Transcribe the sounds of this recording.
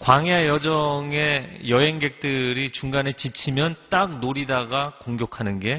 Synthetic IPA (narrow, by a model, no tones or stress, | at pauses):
kwaŋiajʌd͡ʑʌŋe̞jʌɦe̞ŋɡe̞k̚t͈ɯɾit͡ɕuŋɡanet͡ɕit͡ɕʰimjʌnt͈ak̚noɾidaɡakoŋɡjʌkʰanɯnɡe̞